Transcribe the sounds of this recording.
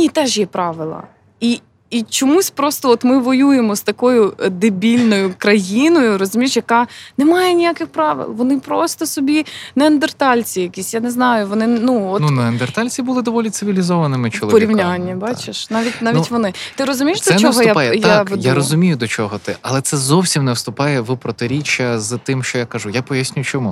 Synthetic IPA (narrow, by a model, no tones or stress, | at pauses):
nʲit̪ɛʒjɛpɾɑʋɪlˠɐ̰ | iː | t͡ʃɔmusʲpɾɔst̪ɔɔt̪mɪʋɔjujemɔst̪ɐkɔjʊd̪ɪbʲilʲnɔjʊkɾɐjinɔjʊɾɔzʊmʲijeʃjɐkɑnɛmɑjɛnʲijakɪxpɾɑʋɪ̰lˠʋɔnɪpɾɔst̪ɔsɔbʲinɛɐnd̪ert̪ɑlʲt͡sʲijɐkʲisʲjaneznɑjʊʋɔnɪnuɔtnunɐɐnd̪ert̪ɑlʲt͡sʲibʊlˠɪd̪ɔʋɔlʲitsɪʋʲilʲizɔʋɐnɪmɪt͡ʃɔlˠʋpɔɾʲiwnʲanʲːɐbɑt͡ʃɪʃnɑʋʲitʲnɑʋʲit̪ʲʋɔnɪt̪ɪɾɔzʊmʲijʃd̪ɔɛt͡ʃ̪ɔɦɔjjajɛjajaɾɔzʊmʲijʊd̪ɔt͡ʃɔɦɔt̪ɪɐ̰lˠɛt̪sɛzɔwsʲimnɛwst̪ʊpɑjɛʋʊpɾɔt̪ɪɾʲit͡ʃːɐzt̪ɪmʃt͡ʃɔjakɐʒujapɔjasʲnʲʊjʊt͡ʃɔmu